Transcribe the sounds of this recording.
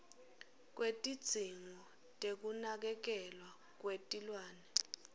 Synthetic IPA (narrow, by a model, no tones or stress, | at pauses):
k̬ʼwetʼid̥z̥ʱiŋɔ | tʼek̬unak̬ɛk̬ɛlwa | k̬wetʼilwaːnɛ